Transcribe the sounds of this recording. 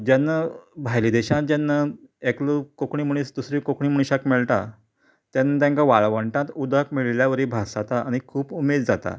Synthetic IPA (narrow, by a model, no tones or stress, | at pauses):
d͡ʑanːabʱajlid̪eɕãt̪̚d͡ʑanːaekləkokɳiːmuɽ̃isd̪usɾikokɳiːməɳ̃iɕakmeɭʈ̪a | t̪janːat̪̬jãŋkaʋaɭʋəɳʈãt̪ud̪akmiɭljaʋəɾiːbʱasat̪aaɽ̃ikʰuːpumed̪d͡zat̪a̰